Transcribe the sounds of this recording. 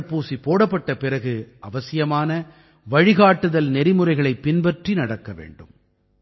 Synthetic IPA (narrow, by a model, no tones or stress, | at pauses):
puːsipoːɽɐpːɐʈːɐpɪɾɐɣɯɐʋɐsɪjɐmaːnɐ | ʋɐɻɪɣaːʈːɯðɐlnɛɾɪmɯrɐɪɣɐɭɐɪpːɪnbɐʈrinɐɽɐkːɐʋḛːɳɖɯ̰m